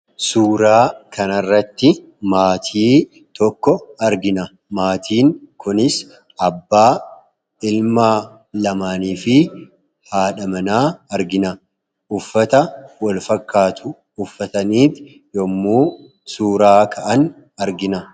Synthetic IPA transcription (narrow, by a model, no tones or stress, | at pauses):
suːɾaːkʰɐnɐrːɐt̪ːɪ | maːt̪ʰiː | t̪ɔkːɔɐɾɡɪnɐ | maːt̪ʰiːŋkʊnɪs | ʔɐbːaː | ɪlmaː | lɐmaːniːfɪ | haːᶑɐmɐnaːɐɾɡɪnɐ | ʔʊfːɐt̪ɐwɐlfɐkːaːt̪ʰʊː | fːɐt̪ɐniːt̪ | jɔmːuː | suːɾaːkʰɐʔɐn | ɐɾɡɪnɐ